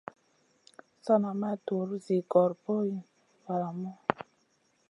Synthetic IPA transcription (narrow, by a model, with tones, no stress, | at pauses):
sɔ˦na˨ma˦to˨ɾu˦zi˨ɡɔ˨ɾpo˦ji˨ | va˨la˨mɔ˦